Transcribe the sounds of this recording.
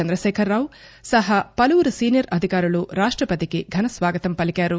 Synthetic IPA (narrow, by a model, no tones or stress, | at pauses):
ɐnd̪ɾɐʃɛːkʰɐɾːaːʋ | sɐɦɐpɐlɐʋuɾusiːnijɐɾɐd̪ʱikaːɾɐɭuɾaːʂʈɾɐpɐt̪ikeɡʱɐnɐsʋaːɡɐt̪ɐmpɐlikaːɾu